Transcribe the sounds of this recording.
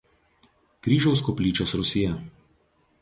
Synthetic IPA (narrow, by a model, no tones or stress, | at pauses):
kɾʲiːʒʲɛʊskɔpʲlʲiːt͡ʃʲoːsɾʊsʲɪjɛ